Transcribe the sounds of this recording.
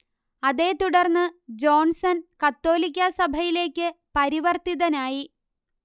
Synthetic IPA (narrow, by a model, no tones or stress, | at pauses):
ɐðe̞ːt̪uɽɐrnːɨd͡ʑo̞ːnsɐnkɐt̪ːo̞ːlik̬ʲːɐsɐbʱɐjile̞ːkʲːɨpɐɾiʋɐrt̪iðɐnaːji